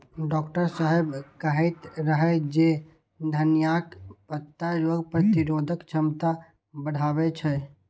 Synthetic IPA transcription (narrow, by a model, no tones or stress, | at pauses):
ɖɔːkʈəɾsaːɦebkəɦɛt̪ɾəɦɛd͡ʒe | d̪ʱənjakpət̪ːaɾoːɡpɾət̪iɾoːd̪ʱəkt͡ʃʰəmt̪a | bəɽ̤ʱaːbɛt͡ʃʰɛ